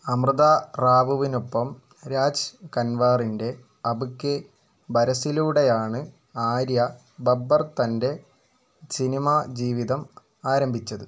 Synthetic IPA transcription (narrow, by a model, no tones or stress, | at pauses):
ɐmrɨðaraːbuʋinopːɐm | ɾaːd͡ʑkɐnʋaːrinde̞ | ɐbukːɨ | bɐɾɐsiluːɽejaːɳɨ | aːɾjɐ | bɐbːɐrt̪ɐnde̞ | sinimad͡ʑiːʋiðɐm | aːɾɐmbʱit͡ɕːɐðɨ